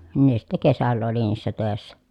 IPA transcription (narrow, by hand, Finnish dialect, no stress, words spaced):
nin ne sitˑæ̆ kesælːæ oli niːsːæ tøˑesːæ